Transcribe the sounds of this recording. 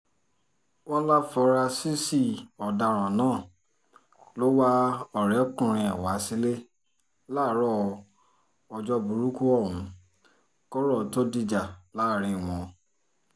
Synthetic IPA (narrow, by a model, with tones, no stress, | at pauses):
wɔ̃˦la˦fɔ˧˦ɾa˧si˦si˦˨ɔ˨da˧ɾ̃ã˨nãː˦˨ | lo˨˦wa˦ɔ˦˨ɾɛ˨˦kũ˦˨ɾ̃ĩ˧ɛ˨wa˨˦si˦le˦ | laː˦˨ɾɔ˦˧ | ɔ˧d͡ʒɔ˦bu˨ɾu˦ku˦ɔ˦˨wũ˨˦ | kɔ˦ɾɔ˦˨to˦di˧d͡ʒa˨la˦˨ɾ̃ĩ˧˨w̃ɔ̃˨˧